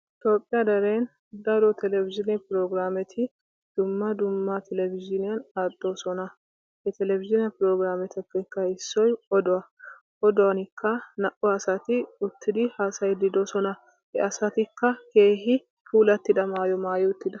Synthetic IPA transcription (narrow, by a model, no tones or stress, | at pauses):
ʔɪt̪o̞ːpʼːɪjɐd̪ɐɾeːn | d̪ɐɾot̪ɛlɛvɪd͡ʒɪnɛpɪɾoːɡɾaːmɛt̪ʰɪ | d̪̥ʊmːɐd̪ʊmːɐt̪ʰɛlɛvɪd͡ʒɪnɪjɐnad̪ʼːoːsɔnɐ | hɛt̪ɛlɛvɪʒɪnɪjɐpɪɾoːɡɾaːmɛt̪ɐkːɐɪkːɐɪsːɔjɔd̪ɔɐ | ʔɔd̪ɔwɐnɪkʰːɐnɐʔɔɐsɐt̪ɪʊt̪ːɪd̪ɪhaːsɐjd̪ɪd̪osɔnɐ | hɛʔɐsɐt̪ɪkːɐke̞ːɦɪ | fuːlɐt̪ːɪᶑ̪ɐmaːjɔmaːjɛʊt̪ːɪd̪ɐ̥